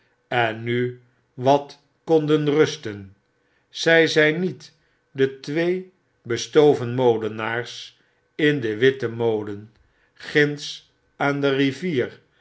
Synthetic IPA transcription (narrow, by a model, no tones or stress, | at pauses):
ɛnːy | ʋɑt | kɔndənrɵstən | z̥ɛjzɛjnit | dətʋej | bəstowvənmowdənaːɹs | ɪndəʋɪtəmowdən | χɪns | aːndəriviːr